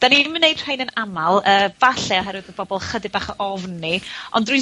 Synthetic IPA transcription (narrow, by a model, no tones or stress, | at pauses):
d̥animənejd̥r̥ejnənamalˠəːvaɬɛɔɦɛɾwɨðəb̥ɔbɔlˠχədɪbaːχəʔɔvnːiɔndrwj